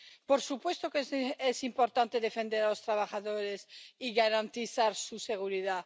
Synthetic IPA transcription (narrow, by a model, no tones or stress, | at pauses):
poɾsupwe̞st̪okesimpoɾt̪ant̪eðefend̪eɾaost̪ɾaβ̞axaðoɾesiɣaɾant̪iθaɾsuseɣ̞uɾiða